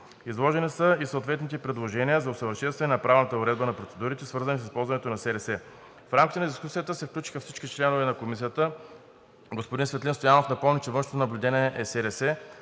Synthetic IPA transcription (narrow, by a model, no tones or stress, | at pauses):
izlˠɔʒɛnisəisəot̪vɛt̪nit̪ɛpɾɛd̪lˠoʒɛnijəzɐosəvəɾʃɛnst̪vʲɛnɛnɐpɾavlnət̪əoɾɛd̪̚bənɐpɾot̪sɛd̪uɾit̪ɛsvɤɾzənis̬əspɔlˠzvɐnɛt̪onɐsɛɾɛsɛ | fɾamkʲit̪ɛnɐd̪iskusijət̪əsɛfklʲut͡ʃi̥xəfsit͡ʃkit͡ʃlɛnovɛnɐkomis̬ijət̪ə | ɡospod̪insvɛt̪lʲinst̪ojanofnɐpɤlˠnit͡ʃɛvɤnʃnot̪onɐblʲud̪ɛnʲiɛʔɛsɛɾɛsɛ